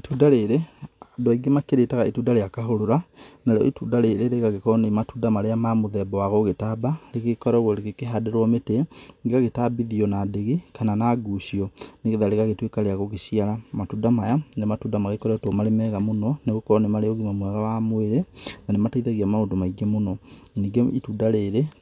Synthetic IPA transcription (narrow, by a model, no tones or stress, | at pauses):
etuːdaɾeɾedoaiɡemakeɾetaɣaetuːdaɾeakaɦoɾoɾanaɾeɔ̰etuːdaɾeːɾeɾeɣaɣekɔnematuːdamaɾeamamoðɛbɔwaɣoɣetabaleɣekɔɾɛɣwɔɾeɣekeɦadɛɾwɔmeteŋɡeɣaɣetabiðiɔnadeɣekananaːɡuɕiɔneɣeðaɾeɣaɣetwekaɾeaɣoɣesiaɾamatuːdamajaematuːdamaɣekɔɾɛtomaɾemɛɣamonɔneɣokɔɔnemaɾeoɣimamwɛɣawamweɾenanemataiðaɣiamaoːndomaiɡɛmonɔniːŋɡeituːdaɾeːɾe